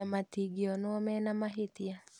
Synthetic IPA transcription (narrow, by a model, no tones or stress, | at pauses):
amatiɡiɔnwɔmɛnamaɦitia